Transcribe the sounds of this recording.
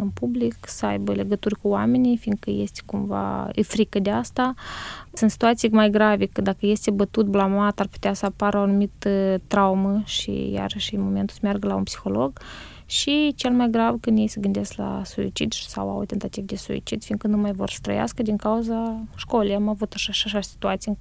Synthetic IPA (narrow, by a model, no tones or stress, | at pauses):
ɨnpubliksəa̰jbəle̞ɡət̪urʲkuame̞nijfiŋɡkəje̞st̪e̥kumva̰ə̰fɾikəd̪east̪asɨnt̪si̥t̪uat̪sijmajɡɾavekəd̪akəje̞st̪ebət̪ut̪̚blamat̪arpu̥t̪easəapaɾəanumit̪ət̪ɾauməʃḭja̰ɾəʃnmo̞me̞nt̪u̥səmjarɡəlaṵnpsi̥xo̞lo̞ɡ | ʃit͡ʃelmajɡɾavkɨnd̪jejsəɡɨnd̪eskla̰suḭt͡ʃid̪ʃsa̰wa̰wt̪e̞nt̪at̪ivd̪e̞sṵḭt͡ʃid̪fiŋkənumajvo̞̰rsə̥t̪ɾə̰ja̰skəd̪iŋkauzaʃko̞lejamavut̪aʃaʃaʃasi̥t̪uat̪sij